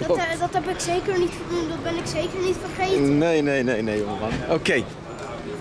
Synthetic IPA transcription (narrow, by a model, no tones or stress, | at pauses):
dɑtɦɛpɪksejkərnitχədundɑt̚bɛnɪksejkərnitfərχejnejnejnejnejoŋəmɑnʔokej